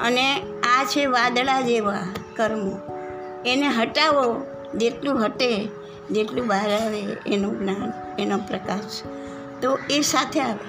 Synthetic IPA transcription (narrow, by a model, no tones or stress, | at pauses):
ə̰ne | at͡ʃʰeʋad̪ɭad͡ʒeʋakəɾmo | eneɦəʈaʋo | d͡ʒeʈlũɦəʈe | d͡ʒeʈlũbʱaɦɾaʋeḛnoɡnan | enopɾəkaʃ | t̪oesat̪ʰeaʋḛ